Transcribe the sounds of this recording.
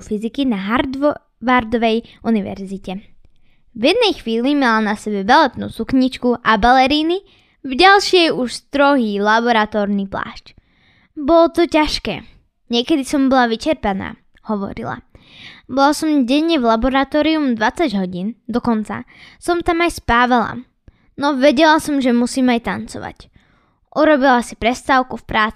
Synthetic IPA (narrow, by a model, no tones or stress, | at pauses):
fizikinaɦaɾ | ʋaɾd̪ɔʋɛjʔuniʋɛ̰ɾzicɛ | vjɛd̪̚nɛjxʋiːlimalanasɛbɛbalɛt̪nṵːsukɲit͡ʃkuʔabalɛɾiːni | vɟalʃɪɛjuʃst̪ɾɔɦiːlabɔɾat̪ɔːɾnipla̰ːʃc | bɔlɔt̪ɔcaʃkɛ̰ː | ɲɪɛkɛd̪isɔmbɔlaʋit͡ʃɛɾpana̰ː | hɔʋɔ̰ɾḭla̰bɔlasɔmɟɛɲːɛvlabɔɾat̪ɔːɾiumd̪ʋat͡saɟɦɔɟiːnd̪ɔkɔnt͡sa̰sɔmt̪amajspaːʋala̰ | nɔʋɛɟɛlasɔmʒɛmusiːmajt̪ant͡sɔ̰ʋa̰c | ʔuɾɔbilasipɾɛst̪aːʊkufpɾaːt͡si̥